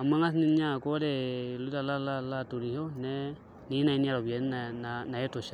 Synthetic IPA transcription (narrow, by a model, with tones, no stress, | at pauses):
a˨ma˦ŋa˦snɪ˦n˦ɲa˦˨ko˦dɛ˨lu˦da˨la˦la˦la˦˨tu˨ɾi˨ho˦nɛ˦ | ni˨˦na˨i˦ni˦a˦ɾo˨bɛ˨˦nana˨na˨jɛ˦to˨ʃa˦